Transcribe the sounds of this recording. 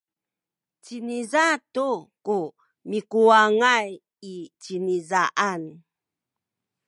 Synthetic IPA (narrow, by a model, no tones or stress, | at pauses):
t͡ɕinizatuku | mikuaŋaj | it͡ɕinizaʔan